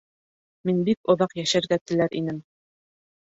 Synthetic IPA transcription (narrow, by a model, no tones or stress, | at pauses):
minbik̚ŏðɑqjæʃæɾɡæt̪ɘ̆læɾʔḭnɘm